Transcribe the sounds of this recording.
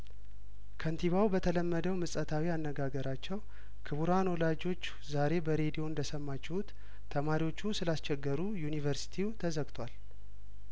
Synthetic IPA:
kʰənt̪ʰiβawbət̪ʰələmːəd̪əwmɨsʼət̪ʰawianːəɡaɡəɾat͡ʃːɛw | kʰɨβuɾanwɔlad͡ʒo̞t͡ʃː | zaɾe̞bəɾe̞d̪io̞nd̪əsəmːat͡ʃːɛhut̪ʰː | əmaɾiwo̞t͡ʃːusɨlast͡ʃɛɡːəɾujunivəɾsi̥t̪ʰiut̪ʰəzəɡt̪ʰwal

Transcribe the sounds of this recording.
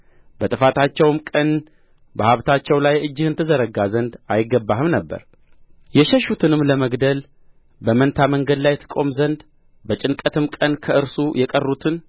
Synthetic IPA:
bət̪ʼɨfat̪ʰat͡ʃːɛwmkʼən | bəhaβt̪ʰat͡ʃːɛwlajɨd͡ʒːɨhɨnt̪ʰɨzəɾəɡazənd̪ajɪɡːəbːaɦɨmnəbːə̰ɾ | jɛʃəʃut̪ʰɨnɨmləməɡd̪əl | bəmənt̪ʰaməŋɡəd̪lajɛt̪ʰɨ̥kʼo̞mzənd̪ | bət͡ʃʼɪnkʼət̪ʰɨmkʼənkʰəʔɨɾsujɛkʼərːut̪ʰɨn

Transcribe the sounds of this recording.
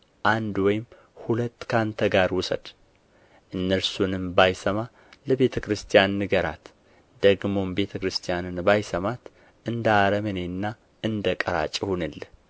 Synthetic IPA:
ʔand̪wɔjɪm | hulət̪ːkʰant̪ʰəɡaɾwʊsə̰d̪̥ | ʔɨnːəɾsunɨmbajsəma | ləbe̞t̪ʰəkɾɨst̪ʰijanːɨɡəɾa̰t̪ | d̪̥əɡmo̞mbe̞t̪ʰəkɾɨst̪ʰijanɨnbajsəmat̪ | ʔɨnd̪əaɾəməne̞nːa | ʔɨnd̪əkʼəɾa̰t͡ʃʼhunɨl

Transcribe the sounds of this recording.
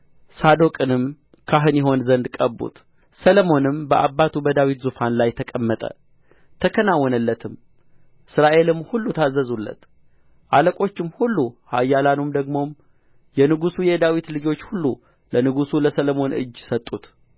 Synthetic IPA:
sad̪o̞kʼɨnɨm | kʰaɦɨnjɛɦo̞nzənd̪kʼəbːṵt̪ | sələmo̞nɨmbəʔabːat̪ʰubəd̪awit̪zufanlajt̪ʰəkʼəmːət̪ʼə̰ | t̪ʰəkʰənawːɔnəlːət̪ʰɨm | ʔɨsɾaʔe̞lɨmhulːut̪ʰazːəzulːə̰t̪ | ʔaləkʼo̞t͡ʃːɪmhulːuhajːalanumd̪əɡmo̞m | jɛnɨɡusujɛd̪awit̪lɨd͡ʒo̞t͡ʃːhulːu | lənɨɡusuləsələmo̞nɨ̰d͡ʒːsət̪ʼːut̪

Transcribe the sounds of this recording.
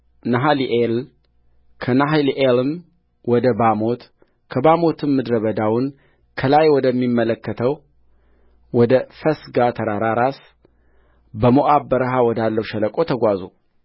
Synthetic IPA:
naɦaliʔel | kʰənaɦliʔelɨm | wɔd̪əbamo̞t̪ | kʰəbamo̞t̪ʰɨmːɨd̪ɾəβəd̪awʊn | kʰəlajwɔd̪əmːimːələkːət̪ʰəw | wɔd̪əfəsɡat̪ʰəɾaɾaɾas | bəmoʔabːəɾəɦawɔd̪alːəwʃɛləkʼo̞t̪ʰəɡʷazṵ

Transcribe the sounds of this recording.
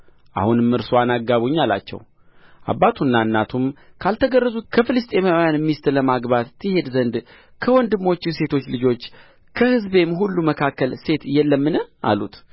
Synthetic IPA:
ʔa̰hunɨmːɨɾsoanaɡːaβuɲːala̰t͡ʃːɛ̰w | ʔa̰bːat̪ʰunːaɨnːat̪ʰumkʰalt̪ʰəɡərːəzut̪kʰəfɨlɨst̪ʼe̞mawjanmːist̪ləmaɡbat̪ːɨhe̞d̪zənd̪ | kʰəwɔnd̪ɨmːo̞t͡ʃːise̞t̪ʰo̞t͡ʃːlɨd͡ʒo̞t͡ʃː | kʰəhɨzbe̞mɦulːuməkʰakːəlse̞t̪jɛlːəmːɨnəʔa̰lut̪

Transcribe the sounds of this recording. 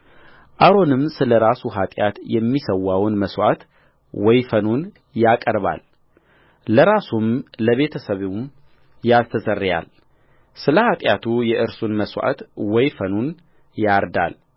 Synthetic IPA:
ʔaɾo̞nɨmsɨləɾasuɦat̪ʼjat̪jɛmːisəwːawnməswa̰t̪ | wɔjfənun | jakʼəɾβa̰lː | əɾasumləβe̞t̪ʰəsəβem | jast̪ʰəzʼərːja̰l | sɨləhat̪ʼjat̪ʰujɛʔɨɾsunməswʷa̰t̪wɔjfənun | jaɾd̪a̰l

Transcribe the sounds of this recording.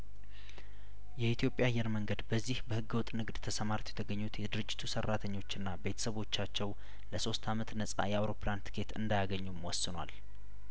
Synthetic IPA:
jɛit̪ʰjo̞pʼːjajːɛɾməŋɡəd̪bəzːihbəhɨɡːɨwɔt̪ʼːnɨɡd̪t̪ʰəsəmaɾt̪ʰjɛ̥t̪ʰəɡəɲːut̪jɛd̪ɨɾɨd͡ʒːɪ̥t̪ʰusərːat̪ʰəɲːo̞t͡ʃːɪnːabe̞t̪ʰə̥səβo̞t͡ʃːat͡ʃːɛw | ləso̞st̪ʰamət̪nəsʼa̰jɛawɾo̞pʰlant̪ʰɨ̥kʰe̞t̪ʰɨ̰nd̪ajaɡəɲːumwɔsːɨnwa̰l

